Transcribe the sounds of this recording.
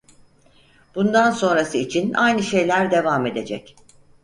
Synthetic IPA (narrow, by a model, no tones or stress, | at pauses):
b̥und̪anso̞nɾasɯit͡ʃʰina̰jnɯʃe̞jlʲæɾd̪e̞vame̞d̪e̞d͡ʒɛc